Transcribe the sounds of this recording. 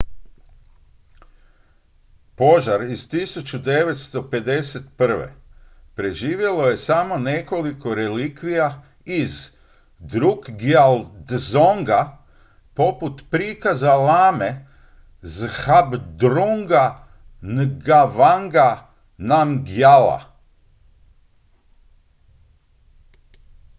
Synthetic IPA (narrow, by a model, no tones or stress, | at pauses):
po̞ʒaɾiz̥t̪isut͡ɕud̪e̞ʋe̞t̪st̪o̞pe̞d̪e̞set̪pr̩ʋḛpɾe̞ʒiːʋje̞loje̞samo̞ne̞ko̞liko̞ɾe̞liːkʋija | iz | d̪ɾuɡɡald̪zoŋɡa | po̞put̪pɾiːkazalaːme | zhabd̪ɾuŋɡa | nɡaʋaŋɡa | namɡjala̰